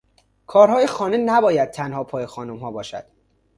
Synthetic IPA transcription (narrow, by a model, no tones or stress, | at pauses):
kʰɒːɾɦɒːjexɒːnenæbɒːjæd̪̚t̪ʰænhɒːpʰɒːjexɒːnumɦɒːbɒːʃæ̰d̪̥